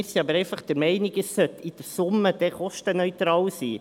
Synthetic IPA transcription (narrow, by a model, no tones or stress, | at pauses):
ɾsiɑbəɾɛɪfɑχd̥̪əɾmɛɪnɪɡəsːœt̪id̪̥əɾsʊmːəd̥̪ɛχɔʃtənœʏt̪ɾɑːlsiː